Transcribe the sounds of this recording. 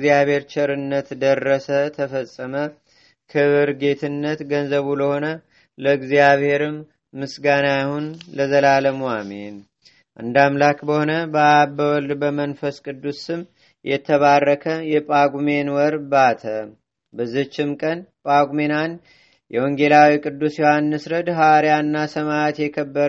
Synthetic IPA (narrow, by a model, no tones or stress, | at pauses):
zijaβhe̞ɾt͡ʃɪɾɨnːət̪d̪ərːəsət̪ʰəfəsʼːəmə | kʰɨβɨɾɡe̞t̪ʰɨnːət̪ɡənzəβuləho̞nə | ləɨɡzijaβhe̞ɾɨmː | ɨsɡanajahunləzəlaləmwamen | ʔɨnd̪amlakbəho̞nəbəabəwɔld̪bəmənfəskʼɨd̪ːusɨm | jʔɛt̪ʰːəβarːəkʰəjɛpʼaɡume̞nwɔɾbat̪ʰə | bəzːɨht͡ʃːɪmkʼənpʼaɡume̞nan | jɛwoŋɡe̞lawikʼɨd̪ːusjohanːɨsɾəd̪ɦawaɾjanːasəmaat̪jɛkʰəbːəɾ